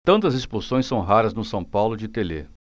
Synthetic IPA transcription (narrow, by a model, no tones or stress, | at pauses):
t̪ɐ̃nt̪ɐzespuɾsõj̃sɐ̃w̃ɦaɾɐznʊsɐ̃w̃pawlʊd͡ʒɪt̪elḛ